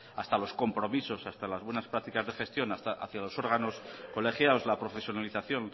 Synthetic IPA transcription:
ast̪alo̞sko̞mpɾo̞miso̞sast̪alazβwe̞naspɾakt̪ikazðe̞χe̞st̪jo̞nast̪aʔa̰θjalo̞so̞ɾɣ̞ano̞sko̞le̞χjaoslapɾo̞fe̞sjonaliθaθjo̞n

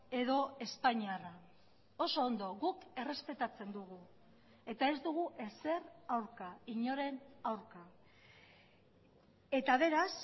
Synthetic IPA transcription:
e̞ðo̞e̞spaɲiara | o̞so̞ːnd̪o̞ɣuke̞re̞spe̞t̪at͡se̞nd̪uɣ̞u | e̞t̪ae̞zd̪uɣ̞uʔese̞rawɾkaiɲo̞ɾe̞nawɾka | e̞t̪aβ̞e̞ɾas

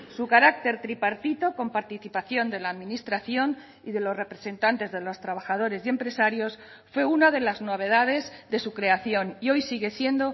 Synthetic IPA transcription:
sukaɾak̚t̪e̞ɾt̪ɾipaɾt̪it̪o̞ko̞mpaɾt̪iθipaθjo̞nd̪e̞laːðmĩnist̪ɾaθjo̞n | iðe̞lo̞zre̞pɾe̞se̞nt̪ant̪e̞zðe̞lo̞st̪ɾaβ̞axað̞o̞ɾe̞zje̞mpɾe̞saɾjo̞s | fwe̞unaðe̞lazno̞β̞e̞ð̞að̞e̞zðe̞sukɾe̞aθjo̞nio̞jsiɣe̞sje̞nd̪o̞

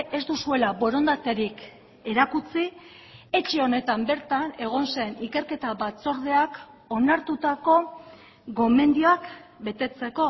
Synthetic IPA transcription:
e̞zd̪usue̞labo̞ɾo̞nd̪at̪e̞ɾik | e̞ɾakut͡si | e̞t͡ʃeo̞ne̞t̪ambe̞ɾt̪ane̞ɣ̞o̞nse̞nike̞ɾke̞t̪aβat͡so̞ɾð̞e̞ak | o̞naɾt̪ut̪ako̞ | ɡo̞me̞nd̪io̞akbe̞t̪e̞t͡se̞ko̞

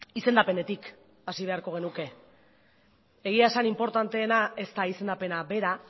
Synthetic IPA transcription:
ise̞nd̪ape̞ne̞t̪ik | asiβ̞e̞aɾko̞ɣ̞e̞nuke̞ | ɣiaesanimpo̞ɾt̪ant̪e̞ːnae̞st̪aise̞nd̪ape̞nabe̞ɾa

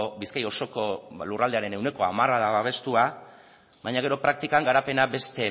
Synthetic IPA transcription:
obiskajo̞so̞ko̞lurald̪e̞aɾe̞ne̞wne̞ko̞amaraðaβaβe̞st̪ua | βajɲaɣe̞ɾo̞pɾak̚t̪ikaŋɡaɾape̞nabe̞st̪e̞

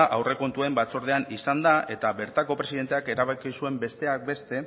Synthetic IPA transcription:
ʔawre̞ko̞nt̪uembat͡so̞ɾð̞e̞anisand̪ae̞t̪aβe̞ɾt̪ako̞pɾe̞siðet̪e̞ake̞ɾaβakisue̞mbe̞st̪e̞ak̚be̞st̪e̞

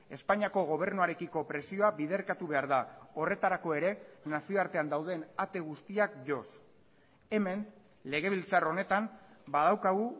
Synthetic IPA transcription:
e̞spaɲiako̞ɣ̞o̞β̞e̞ɾnuaɾe̞kiko̞pɾe̞sio̞aβiðe̞ɾkat̪uβe̞aɾðao̞re̞t̪aɾako̞e̞ɾe̞nasio̞aɾt̪e̞and̪awð̞e̞nat̪e̞ɣ̞ust̪iakʝo̞s | e̞me̞n | le̞ɣ̞e̞β̞ilt͡saro̞ne̞t̪ambaðawkaɣu

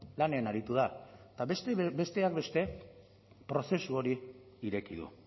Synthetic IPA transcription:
laneanaɾit̪uð̞at̪aest̪ebe̞st̪e̞ak̚be̞st̪e̞ | pɾo̞se̞suo̞ɾiː | ɾe̞kiðṵ

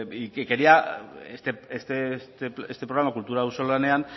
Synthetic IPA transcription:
ikeke̞ɾiaest̪eest̪est̪eest̪e̞pɾoɣɾamakult̪uɾawso̞lane̞an

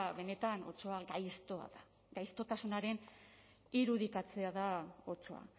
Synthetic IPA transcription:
βe̞ne̞t̪ano̞̰t͡ʃo̞aɡajst̪oa̰ða | ɡajst̪o̞t̪asunaɾe̞n | iɾuðikat͡se̞aðao̞t͡ʃo̞̰a̰

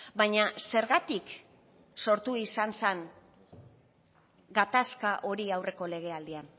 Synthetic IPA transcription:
bajɲase̞ɾɣat̪ik | so̞ɾt̪uisanseŋ | ɡat̪askaʔo̞ɾiawrʔe̞ko̞le̞ɣ̞e̞ald̪ian

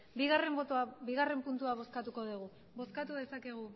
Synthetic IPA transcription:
biɣare̞mbot̪abiɣare̞mpunt̪uaβo̞skat̪uko̞ðuɣ̞u | bo̞skat̪uðe̞sake̞ɣ̞u

